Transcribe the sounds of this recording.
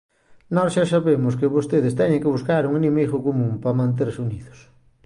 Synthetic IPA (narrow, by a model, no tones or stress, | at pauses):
nɔsʃasaβemʊskɪβost̪eðɪst̪ɛɲẽŋkɪβuskaɾuŋenimejxokomũmpamãnt̪̬eɾsuniðʊ̥s